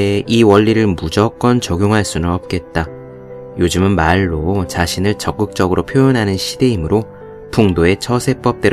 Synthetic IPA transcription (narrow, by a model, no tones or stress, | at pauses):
iwʌʎːiɾɯɭmud͡ʑʌk͈ʌnt͡ɕʌɡʲjoŋɦaɭs͈unɯnʌp̚k͈e̞t̚t͈a | jod͡ʑɯmɯnmaɭːot͡ɕaɕʰinɯɭt͡ɕʌk͈ɯk̚t͡ɕ͈ʌɡɯɾopʰjojonɦanɯnɕʰide̞imɯɾo | tʰoŋdoe̞t͡ɕʰʌsʰe̞p͈ʌp̚t͈e̞ɾ